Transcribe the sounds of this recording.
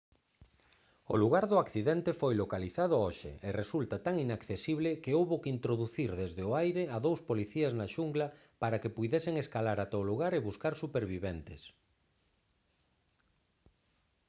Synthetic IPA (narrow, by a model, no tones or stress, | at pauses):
o̰luɣaɾðʊakθiðɛnt̪efojlokaliθað̞ʊoʃɪ̰eresult̪at̪aŋinakθesiβlɪkeowβokint̪ɾoðuθiɾðezðeoajɾeaðowspoliθiaznaʃuŋɡla | paɾakepujðesɪŋeskalaɾat̪ɛoluɣ̞aɾeβuskaɾsupeɾβiβent̪ɪs